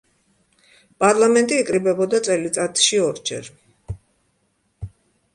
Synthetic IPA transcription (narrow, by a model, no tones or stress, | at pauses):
pʼaɾlˠamɛnt̪ʼiːkʼɾibɛbɔd̪at̪sʼɛlit̪sʼat̪ʰʼʃiɔɾd͡ʒɛ̰ɾ